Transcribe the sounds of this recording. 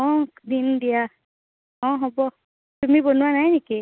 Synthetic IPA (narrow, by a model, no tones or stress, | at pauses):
ɔ̃dindija | ɔ̃ɦɔbɔ | tumibonuwanajneki